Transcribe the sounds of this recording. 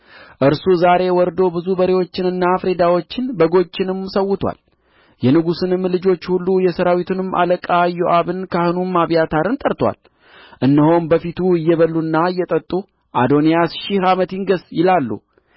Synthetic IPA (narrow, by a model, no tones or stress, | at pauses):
ʔɨɾsuzaɾe̞wɔɾd̪o̞bɨzubəɾewo̞t͡ʃːɪnɨnːafɾe̞d̪awo̞t͡ʃːɪnbəɡo̞t͡ʃːɪnɨmsəwːʊt̪ʰwa̰l | jɛnɨɡusɨnɨmːlɨd͡ʒo̞t͡ʃːhulːujɛsəɾawit̪ʰunɨmʔa̰ləkʼajoʔaβɨnkʰahɨnumaβjat̪ʰaɾɨnt̪ʼəɾt̪ʰwa̰l | ʔɨnːəho̞nbəfit̪ʰuɨjːɛβəlːunːaɨjːɛt̪ʼət̪ʼːu | ʔad̪o̞nijasʃɪhamət̪jɪŋɡəsjɪlalːṵ